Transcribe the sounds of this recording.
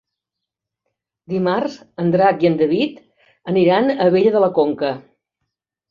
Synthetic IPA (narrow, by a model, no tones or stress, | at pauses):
d̪imarz | ənd̪ɾakiənd̪əβit̪ | əniɾanəβeʎəðələkoŋkə